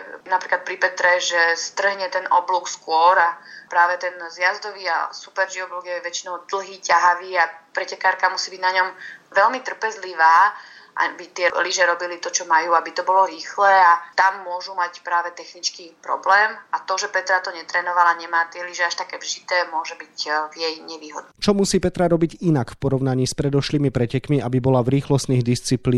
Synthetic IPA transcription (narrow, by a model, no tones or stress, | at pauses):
napɾiklat̪̚pɾipɛt̪ɾɛʒɛst̪r̩ɦɲɛt̪ɛnɔ̰bluːkskʊɔɾapɾaːʋɛt̪ɛnzjazd̪ɔʋiːa̰supɛɾʒiɔbluɡjɛʋɛt͡ʃinɔʊd̪l̩ˠɦiːcaɦaʋiːapɾɛcɛkaːɾkamusiːbiɟnaɲɔmʋɛlmit̪r̩pɛzliʋaːʔa̰bit̪ɪɛliʒɛɾɔbilit̪ɔt͡ʃɔmajuːabit̪ɔbɔlɔɾiːxlɛːat̪amːʊɔʒumacpɾaːʋɛt̪ɛxnit͡skiːpɾɔ̰blɛːmat̪ɔʒɛpɛt̪ɾat̪ɔɲɛt̪ɾɛːnɔʋalaɲɛmaːt̪ɪɛliʒɛaʃt̪akɛvʒit̪ɛːmʊɔʒɛbicvjɛjɲɛʋiːɦɔd̪nt͡ʃɔmusiːpɛt̪ɾaɾɔbiɟinakfpɔɾɔʊnaɲiːspɾɛd̪ɔʃliːmipɾɛcɛkmiabibɔlavɾiːxlɔst̪niɣd̪ist͡sipliː